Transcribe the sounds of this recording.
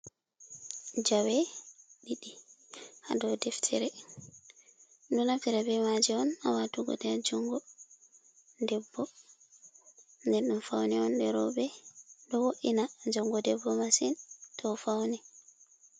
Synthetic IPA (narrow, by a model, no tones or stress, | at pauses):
d͡ʒawɛɗiɗiha̰dɔwdɛftʰɛɾɛ | ndunaftiɾɛbɛmad͡ʒɛɔna̰watuɡɔ̰tɛad͡ʒɔŋɡɔ | dɛbːɔ | ndɛɾɗumfawnɛɔndɛɾɔbɛɗɔwoʔinad͡ʒɔŋɡɔdɛbːɔmasintʰɔfawnɛ